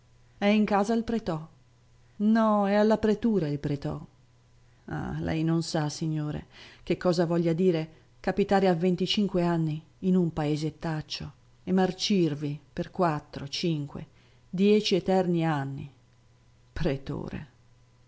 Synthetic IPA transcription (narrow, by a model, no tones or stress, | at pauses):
ɛiŋkaːzailpɾet̪ɔ | nɔɛalːapɾet̪uːɾailpɾet̪ɔ̰ | a̰lʔɛ̰jnonsasiɲːoːɾḛk̟ekːɔːzavɔʎːad̪iːɾe | kapit̪aːɾeavːent̪it͡ʃiŋkweanːiː | numpaeːzet̪ːat͡ʃːo | emːart͡ʃirviperkwat̪ːɾot͡ʃiŋkwḛ | d̪jɛt͡ʃiɛt̪ɛrnianːḭ | pɾet̪o̰ːɾḛ